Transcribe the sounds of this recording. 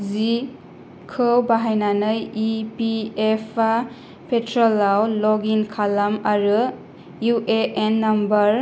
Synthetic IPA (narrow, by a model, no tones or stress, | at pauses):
zi | kʰɯwbaɦajnanɯjipiepʰa | pʰetʰɾɔlːawlɔɡinkʰalamaɾɯ | juʔeʔenːambɐɾ